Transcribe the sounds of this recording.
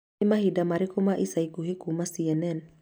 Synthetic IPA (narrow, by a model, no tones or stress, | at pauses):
imaɦidamaɾikumaʔisaikuɦikumasianɛn